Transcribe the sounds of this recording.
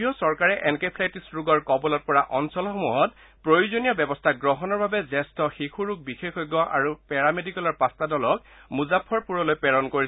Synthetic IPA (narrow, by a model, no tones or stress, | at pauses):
jɔsɔɹkaɹɛʔɛnkepʰlajtisɹuɡɔɹkɔbɔlɔt̚pɔɹaʔɔnsɔlxomuɦɔt | pɹojuzonijɔbɛbɔstʰaɡɹɔɦɔnɔɹbʱabɛzɛstɔxixʰuɹuɡ̚bixexɔjɡːɔʔa̰ɹupɛɹamedikɛlɔɹpastadɔlɔk̚ | muzapʰːɔɹpuɹɔlojpɛɹɔnkoɹis